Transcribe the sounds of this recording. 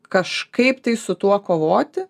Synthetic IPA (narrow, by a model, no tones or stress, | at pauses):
kɐʃkɐɪpt̪ɐɪsʊt̪uɔkoːʋoːt̪ʲɪ